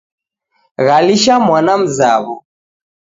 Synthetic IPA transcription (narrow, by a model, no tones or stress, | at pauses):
ɣaliʃamwanam̩zaβɔ